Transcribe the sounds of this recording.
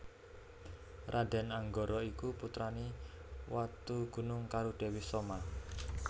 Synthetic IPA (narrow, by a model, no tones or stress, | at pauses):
rʔad̥ɛ̤naŋɡoɾɔikuput̪ɾaniwat̪uɡ̥ṳnʊŋkaɾud̥e̤wɪhsoma